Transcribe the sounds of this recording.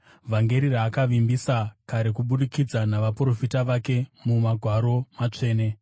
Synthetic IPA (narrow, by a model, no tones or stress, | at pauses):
vʱaŋɡe̞ɾiraːkaʋimbisakaɾe̞kuɓuɗikid͡zanaʋapro̞fitaʋake̞mumaɡʱwaɾo̞mat͡ʂe̞ːne̞